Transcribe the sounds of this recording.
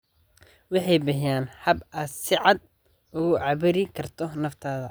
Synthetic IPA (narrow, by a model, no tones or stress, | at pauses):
wɑħɑjbɐɦjaːnħɐbaːd̪sɪʕɑd̪̚ | ʊɣʊʕɑβɪɾɪkʰɐrt̪ʰɔnɐft̪ʰaːðɐ